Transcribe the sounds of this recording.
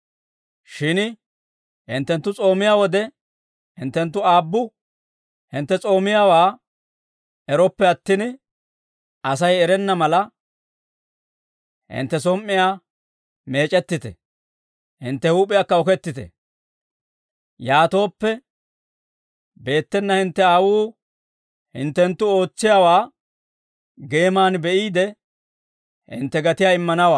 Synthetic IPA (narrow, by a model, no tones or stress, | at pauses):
ʃɪn | hɪnt̪ːɛnt̪ːʊt͡sʼo̞ːmɪjawɔd̪ɛ | hɪnt̪ːɛnt̪ːʊaːbːʊ | hɪnt̪ːɛt͡sʼo̞ːmɪjawaː | ɛɾɔpːɛɐt̪ːɪn | ɐsɐjɛɾɛnːɐmɐlɐ | hɪ̰nt̪ːɛs̬ɔmːɪjaː | me̞ːt͡ʃʼɛt̪ːɪt̪ɛ̰ | hɪnt̪ːɛhuːpʼːɪjakːɐɔkɛt̪ːɪt̪ɛ̰ | jaːt̪o̞ːpːɛ | be̞ːt̪ːɛnːɐhɪnt̪ːɛaːwuː | hɪ̰nt̪ːɛnt̪ːʊo̞ːt͡sːɪjaːwaː | ɡe̞ːmaːnbɛʔiːd̪ɛ | hɪ̰nt̪ːɛɡɐt̪ɪjaːɪmːɐnɐwaː